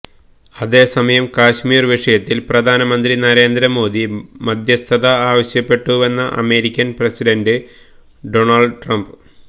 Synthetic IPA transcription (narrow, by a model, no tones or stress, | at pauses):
ɐðe̞ːsɐmɐjɐmkaːɕmiːrʋiʂɐjɐt̪ːilprɐd̪ʱaːnɐmɐnd̪rinɐɾe̞ːnd̪ɾɐmo̞ːd̪imɐd̪ʱjɐst̪ʰɐðɐaːʋɐɕjɐpːe̞ʈːuʋe̞nːɐʔɐ̰me̞ːɾikʲːɐnprɐsiɖɐndɨ | ɖo̞ɳɐlɖʈrɐmb